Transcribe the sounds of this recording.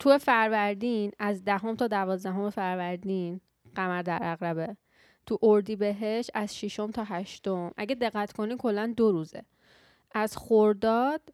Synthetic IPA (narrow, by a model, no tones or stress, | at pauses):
t̪ʰuefæɾvæɾd̪iːnæzd̪æɦo̞mt̪ʰɒːd̪ævɒːzd̪æɦo̞mefæɾvæɾd̪iːn | ɢ̥æmæɾd̪æɾʔæɣɾæbe | t̪ʰuʔoɾd̪iːbe̞ɦe̞ʃt̪æz̥ʃiʃo̞mt̪ʰɒːɦæʃt̪omʔæ̰ɟe̞d̪e̞ɣːæt̪ʰkʰo̞niːmkʰo̞lːænd̪oɾuːzḛ | æz̥xoɾd̪ɒːd̪̥